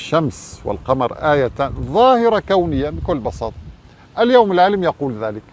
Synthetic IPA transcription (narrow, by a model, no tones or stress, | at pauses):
ʃːamswɪ̰lqɑmɑ̰ɾˤʔaːjat̪anðˤɑːhɪɾˤɑkawnəjːamikʊlːbɑsˤɑːt̪ˤɑ | ʔæljowmɪlʕaləmjɑquːlðæːlɪk